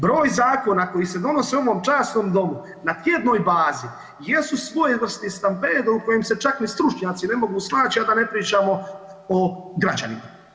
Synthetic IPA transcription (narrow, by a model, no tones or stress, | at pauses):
bɾo̞ːjzaːko̞nako̞jised̪o̞no̞seoʋo̞ːmt͡ʃaːsno̞ːmd̪o̞mu | nat̪jed̪no̞ːjbaːzi | je̞susʋo̞jeʋər̩st̪ist̪ampeːd̪ouko̞jemset͡ʃaknist̪ɾut͡ʃɲaːt̪sine̞mo̞ɡusnaːt͡ɕiad̪ane̞pɾiːt͡ʃaːmo̞oɡɾat͡ɕa̰nḭma